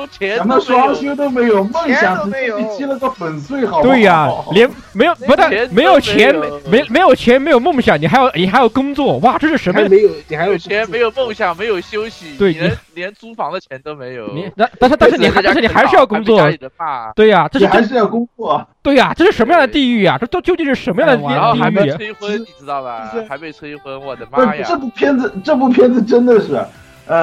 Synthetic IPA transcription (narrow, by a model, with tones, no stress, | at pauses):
t͡ɕʰna˥˧ʂɑ˥ɕo˥t̪̬o˥ʊme˧˥ɪjo˨˩ʊmo˥˩ŋɕjɑ˨˩˦ŋt͡ɕ̩˧˥˧t͡ɕi˥lə˧ɡə˥˩pə˨˩nswe˥˩ɪxt̪we˥˩ɪɐ˨˩ljɛ˧˥n | me˧˥ɪjo˨˩pu˥t̪a˥˩˧me˧˥ɪjo˨˩ʊt͡ɕʰjɛ˧˥nme˧˥ɪjme˧˥ɪjo˨˩ʊt͡ɕʰjɛ˧˥nme˧˥ɪjmɤ˥˩ŋɕjɑ˨˩˦ŋni˨˩xa˧˥ɪjɑ˧˩ʊni˨˩xa˧˥jɑ˥˩ʊkʊ˥ŋt͡swɔ˥˩wa˥˩ʈ͡ʂɤ˥˧ʂɻ̩˥˩ʂə˧˥m˥me˧˥ɪjo˨˩ʊni˨˩xa˧˥ɪjo˨˩˧e˧˥ɪjo˨˩mo˥˩ŋɕjɑ˨˩ŋme˧˥jo˨˩ʊɕjo˥ʊɕi˨˩t̪we˥˩ɪni˨˩ljɛ˧˥nt͡su˥fɑ˧˥ŋd̪ə˧t͡ɕʰjɛ˧˥nt̪o˥me˧˥ɪjo˨˩˦ni˧˩˥a˥˧t̪ʂ̩˥˧t̪ʂɻ̩˥˩ni˨˩xa˥˧˥ʂɻ̩˥˩ni˨˧xa˧˥ɪʂɻ̩˥˧jɑ˥˩ʊkʊ˥t͡swɔ˥˩˨a˥t̪we˥˩ɪɐ˩ʈ͡ʂɤ˥˧ʂi˥˩xa˥˧˥ɪʂɻ̩˥˧jɑ˥˩ʊkʊ˥ŋt͡swɔ˥˩t̪we˥˩ɪa˩ʈ͡ʂɤ˥˧ʂɻ̩˥˩ʂə˧˥nmə˧jɑ˥ŋd̪ə˩t̪i˥˧y˥˩jɐ˩ʈ͡ʂt̪o˥˧t͡ɕjo˥˧t͡ɕi˥˧nʂɻ̩˥˩ʂə˧˥nmə˧jɑ˥˩d̪ə˧i˥˧˥i˥˧˥y˥˩e˥ɪxwə˥ni˨˩ʈ͡ʂɻ̩˥t̪ɑ˥˩ʊd̪ə˩˥a˧˥me˧˩ɪt̪ʰwe˥ɪxwə˥nwɔ̰˨˩d̪ə˦ma˥˧˩ʈ͡ʂɤ˥˩pu˥˩pʰjɛ˥nd͡z̩˧ʈ͡ʂɤ˥˧pu˥˩pʰjɛ˥nd͡z̩˥˧ʈ͡ʂə˥nd̪ə˨ʂɻ̩˥˩ɐ̰˩ | ə˥˧